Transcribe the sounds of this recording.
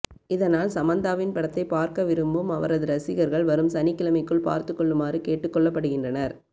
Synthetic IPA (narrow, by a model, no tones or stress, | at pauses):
ɪðɐnaːlsɐmɐnd̪aːʋɪnpɐɽɐt̪ːɐɪpaːɾkɐʋɪɾɯmbɯmɐʋɐɾɐðɯɾɐsɪɣɐɾɣɐɭʋɐɾɯmsɐnɪkːɪlɐmɐɪkːɯɭpa̰ːɾt̪ɯkːɔɭːɯmaːrɯkeːʈːɯkːɔɭːɐpːɐɽɯɣɪndrɐnɐɾ